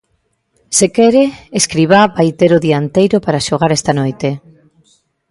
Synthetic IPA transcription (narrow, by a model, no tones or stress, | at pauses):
sekɛɾeeskɾiβabajt̪eɾʊðiant̪ejɾopaɾaʃoɣ̞aɾɛst̪anojt̪e